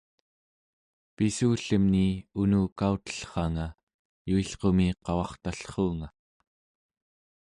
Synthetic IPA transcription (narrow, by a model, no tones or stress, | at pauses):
pisuːɬəmniunuːkaut̪ə̥ɬχɑŋa | juiɬqo̞miqɑwɑχt̪aɬχoːŋa